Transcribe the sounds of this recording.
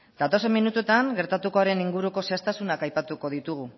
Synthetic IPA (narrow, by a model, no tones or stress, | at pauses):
d̪̥at̪o̞se̞mːinut̪uet̪aŋɡe̞ɾt̪at̪uko̞aɾe̞niŋɡuɾuko̞seast̪asunakajpat̪uko̞ð̞it̪uɣ̞u